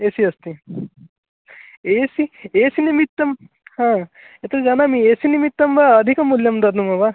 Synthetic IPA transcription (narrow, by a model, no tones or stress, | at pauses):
esiʌst̪i | esiesinimit̪ːʌm | hã | et̪d͡zanamiesinimit̪ːʌmbaːd̪ʱikʌmuljʌmd̪ʌɾnumʌba